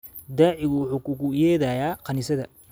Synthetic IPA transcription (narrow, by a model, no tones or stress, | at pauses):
d̪aːʕɪɣʊwʊħuːkʰʊkʊjɛːðajaːqɑnɪsɐðɐ